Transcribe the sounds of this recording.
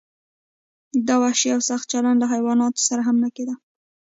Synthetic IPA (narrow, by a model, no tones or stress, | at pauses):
d̪awaʃiawsaxt̪̚t͡ʃaland̪laɦajwɑnɑt̪o̥saɾaɦamnaked̪a